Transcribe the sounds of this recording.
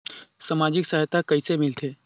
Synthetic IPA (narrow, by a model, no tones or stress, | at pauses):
səmad͡ʑiksaɦjt̪ʰakəisemɪlt̪ʰe